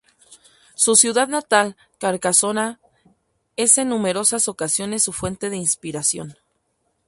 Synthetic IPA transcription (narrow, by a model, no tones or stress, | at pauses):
susjuðaðnat̪al | kaɾkaso̞na | e̞se̞nːũme̞ɾo̞saso̞kasjo̞ne̞sːufwe̞nt̪e̞ð̞e̞inspiɾasjo̞̰n